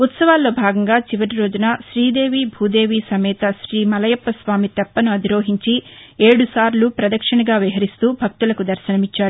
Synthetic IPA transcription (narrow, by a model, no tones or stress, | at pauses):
ut̪sɐʋaːlːo̞ːbʱaːɡɐŋɡaːt͡ʃiʋɐɾiɾo̞ːd͡ʒunɐʃɾiːd̪e̞ːʋiːbʱuːd̪e̞ːʋiːsɐmɛːt̪ɐʃɾiːmɐlɐjɐpːɐsʋaːmit̪ɛpːɐnuɐd̪iɾo̞ːɦiɲt͡ʃie̞ːɽusaːɾlupɾɐd̪ɐkʂɐɳɐɡaːʋiɦɐɾist̪uːbʱɐk̚t̪ulɐkud̪ɐɾʃɐnɐmit͡ʃːaːɾu